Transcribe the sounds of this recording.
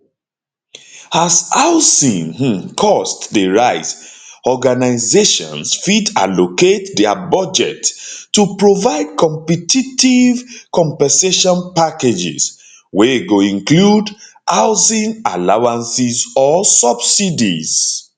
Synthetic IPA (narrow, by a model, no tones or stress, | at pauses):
azaʊsĩnkʰɔstdəɹaɪzɔɡanaɪzeʃɔ̰̃nsfida̰loketdɛa̰bɔd͡ʒɛ̰tːupɹovaɪd̚kʰɔ̃mpɛtʰitivkʰɔ̃mpɛ̃seʃɔ̃npaked͡ʒḭs | weɡoĩnklud | ʔaʊsĩnalawãnsizɔsʌbsidḭz̥